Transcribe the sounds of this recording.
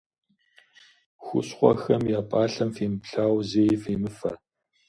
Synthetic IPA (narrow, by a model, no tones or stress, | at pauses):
xʷʊ̰ɕχʷɔ̰xɐmjaːpʼaːɬɐmfeːmɨpɬaːwzeːjfeːmɨfɐ̰